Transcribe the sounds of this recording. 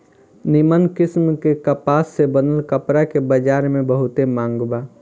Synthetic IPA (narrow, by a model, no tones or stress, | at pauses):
nɪmənkɪsmkekəpaːsːebənəlkəpɾakebəd͡ʒaːɾmẽbəɦʊt̪emãːŋɡbaː